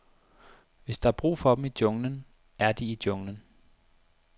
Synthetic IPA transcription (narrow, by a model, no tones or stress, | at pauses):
ʋe̝sd̥ɑ̈ɑb̥ʁṵːfɒ̽b̥em̩id̥jɔ̽ŋnən | æɐd̥iid̥jɔ̽ŋnən